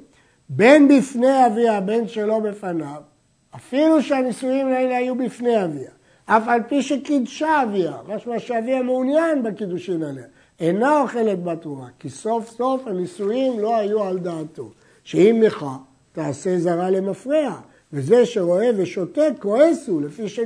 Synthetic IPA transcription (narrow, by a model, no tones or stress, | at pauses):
be̞nbifne̞javiabe̞nʃe̞lo̞be̞fanav | afiluʃeanisujimaeleajubifne̞javia | ʔafalpiʃe̞kid̪ʃaːviamaʃmaʃeaviameunjanbakid̪uʃimale | enaoχe̞le̞t̪bat̪uʁakiso̞fso̞fhanisujimlo̞ajuald̪aːt̪o̞ | ʃeimleχa | t̪aːse̞zaʁale̞mafʁia | veze̞ʃe̞ʁo̞e̞veʃo̞t̪e̞tko̞esule̞fiʃe